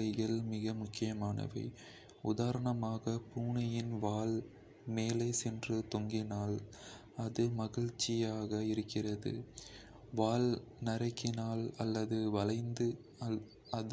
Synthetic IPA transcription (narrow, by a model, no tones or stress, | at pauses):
ɐɪɣɐɭmɪɣɐmʊkːɪjɐmaːnɐ̰ʋɐ̰ɪ | ʊ̰ðaːɾɐɳɐmaːɣɐpuːɳɐjɪnʋaːl | meːlɐɪsɛndrɯt̪ɔŋɡɪnaːl | ɐðɯmɐɣɪɻt͡ʃːɪjaːɣɐɪɾɯkːɪrɐðɯ̰ | ʋaːl | nɐɾɐɪkːɪnaːlɐlːɐðɯʋɐlɐɪnd̪ɯ | ɐ